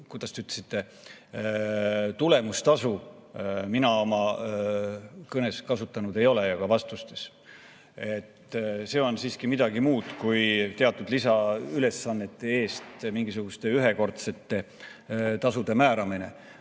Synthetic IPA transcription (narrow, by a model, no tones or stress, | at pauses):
kujd̪̥ɑst̪eyt̪ːˑlesit̪ːe̞ | t̪ule̞must̪ɑsu | minɑo̞mɑ | kɤne̞skɑsut̪ːˑɑnud̪̥e̞jo̞lejɑkɑvɑst̪ust̪e̞̥s | e̞t̪ːse̞o̞nsiːskimid̪̥ɑɡimuːd̪̥kujt̪eɑt̪ːˑud̪lisɑyle̞sːɑnːe̞t̪ːˑe̞e̞ːst̪miŋɡisuɡ̥ust̪e̞yɦe̞ko̞rt̪se̞t̪ːe̞ | t̪ɑsud̪̥e̞mæːɾɑmine̞̰